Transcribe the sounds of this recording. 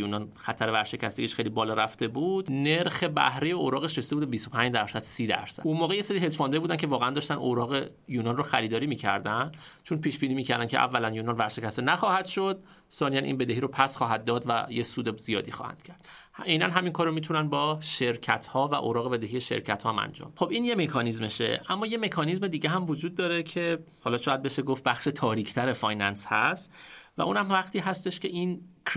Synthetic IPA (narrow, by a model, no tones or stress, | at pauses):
juːnɒnxæt̪ʰæɾevæɾʃe̞cʰæst̪eɡiʃxejlibɒːlɒɾæft̪e̞buːd̪̥ne̞ɾxe̞bæ̰hɾejeoɾɒːɣeʃest̪ebud̪ebist̪o̞pʰæɲd͡ʒd̪æɾsæd̪siːd̪æ̰ɾsæ̰unmoːɣeje̞seɾiɦezfɒːnd̪ejbuːd̪æncʰevɒːɣeænd̪ɒːʃt̪ænoɾɒːɣe | juːnɒnroxæɾiːd̪ɒːɾiːmiːcʰæ̰ɾd̪ænd̥̪t͡ʃʰonpʰiːʃbiːniːmiːcʰæɾd̪æncʰeʔæ̰vːælænjuːnɒnvæɾʃe̞cʰæst̪enæxɒːhæd̪̥ʃo̞d̪̚ | sɒːnijænʔḭːnbe̞d̪e̞hiːɾopʰæsχɒːɦæd̪ːɒːd̪væ̰jesuːd̪ez̥ijɒ̰ːd̪ixɒ̰ːhæ̰nd̪̥cʰæɾd̪enænɦæminkʰɒːɾomit̪ʰunænbɒːʃe̞ɾcʰæt̪ʰhɒːvæ̰ʔoːɾɒːɣee̞d̪eɦije̞ʃḛɾcʰæt̪hɒːmæ̰nd͡ʒɒ̰ːmxo̞biːnjeme̞kʰɒːnizmeʃḛʔæmːɒːje̞me̞kʰɒːnizme̞d̪iːɟeɦæmvod͡ʒuːd̪̚ːɒːɾe̞cʰe̞ | hɒːlɒːʃɒːjæd̪be̞ʃeɡof̚bæxʃe̞t̪ʰɒːɾiːcʰt̪ʰæɾe̞fɒjnænshæst̪væ̰ʔuːnhæmvæχt̪ʰiːɦæst̪e̞ʃcʰe̞ʔinkʰ